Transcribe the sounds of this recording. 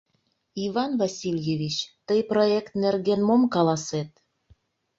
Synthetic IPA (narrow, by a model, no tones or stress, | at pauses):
ivɑnvɑsʲilʲjevʲit͡ɕt̪əjproekt̪nerɣenmomkɑlɑset̪̚